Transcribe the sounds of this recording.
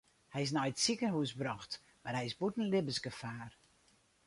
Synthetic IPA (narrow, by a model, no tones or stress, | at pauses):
hɛjɪs̬nɔjətsikənhuəsbrɔxt | marhɛjɪsbutn̩lɪbəsɡəfaːr